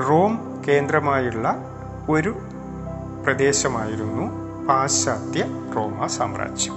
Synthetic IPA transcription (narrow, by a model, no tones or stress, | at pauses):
ro̞ːm | ke̞ːnd̪rɐmaːjuɭːɐ | o̞ɾu | prɐd̪e̞ːɕɐmaːjiɾunːu | paːɕaːt̪jɐ | ro̞ːmɐsa̰ːmra̰ːt͡ɕːu̥